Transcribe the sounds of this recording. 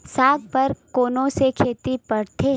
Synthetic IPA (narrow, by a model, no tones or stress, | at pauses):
ssaːɡ̚pɐɾkoːnõsekʰeːt̪ipɐɽt̪ʰe